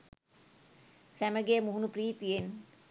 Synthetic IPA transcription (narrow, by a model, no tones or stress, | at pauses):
sæməɡeːmuɦunupriːt̪ijen